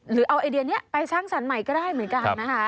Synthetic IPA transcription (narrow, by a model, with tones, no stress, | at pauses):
ɾɯː˩˦ʔa˧wʔaː˧di˧əni˦˥ɐpa˧jsaː˥˩ŋsa˩˦nma˨˩˦jkɔː˥˩daː˥˩jmɯ˩˦ənka˧nːa˦˥kʰa˦˥